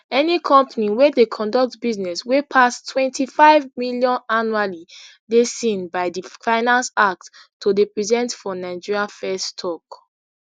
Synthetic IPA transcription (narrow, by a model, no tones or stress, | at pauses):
ɛnikʰɔ̃mpaniwɛdekʰɔ̃ndɔk̚tbiznɛswepʰastʰwɛ̃ntʰifaɪvmiljɔ̃nanuali | desĩnbaɪdifaɪnãnsak̚t | tːodepɹizɛ̃ntfɔnaɪd͡ʒiɹiafɛstʰɔk